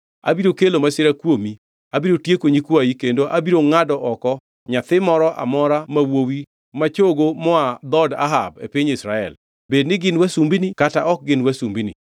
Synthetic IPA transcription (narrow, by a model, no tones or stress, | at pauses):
a̰biɾokelomaseɾakwomi | abiɾotjekoɲikwajikendoʔabiɾoŋadɔʔɔkɔ | ɲat̪ɪmɔɾɔʔa̰mɔɾamawowi | mat͡ʃoɡomɔad̪ɔda̰ɦab̚ḛpiɲɪsɾaɛ̰l | bednɪɡɪnwasumbinikataʔɔk̚ɡɪnwasumbinḭ